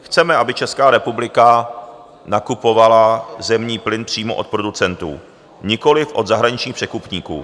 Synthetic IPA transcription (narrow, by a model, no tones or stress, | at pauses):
xt͡sɛmɛʔabɪt͡ʃɛskaːɾɛpublɪka | nakupo̞valazɛmɲiːplɪnpr̥iːmoʔo̰t̪̚pɾo̞dut͡sɛnt̪ṵː | ɲɪko̞lɪfʔo̞d̪zaɦɾaɲɪt͡ʃɲiːxpr̥ɛkupɲiːkṵː